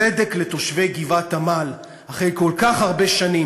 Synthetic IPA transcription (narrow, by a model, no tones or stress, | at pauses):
ed̪eklet̪o̞ʃve̞jɡivathamal | haχejko̞lkaχhaʁbe̞ʃanim